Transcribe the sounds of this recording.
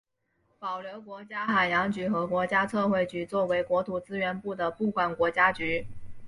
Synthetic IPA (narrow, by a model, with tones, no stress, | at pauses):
pɑ˨˩ʊljo˧˥ʊkwɔ˧˥t͡ɕja˥xa˨˩ɪjɑ˧˥ŋt͡ɕy˧˥xɤ˧˥kwɔ˧˥t͡ɕja˥t͡sʰɤ˥˧xwe˥˩ɪt͡ɕy˧˥t͡swɔ˥˩we˧˥ɪkwɔ˧˥t̪ʰu˨˩t͡sɹ̩˥ɥɛ˧˥npu˥˩d̪ə˩pu˥˩kwa˨˩nkwɔ˧˥t͡ɕja˥t͡ɕy˧˥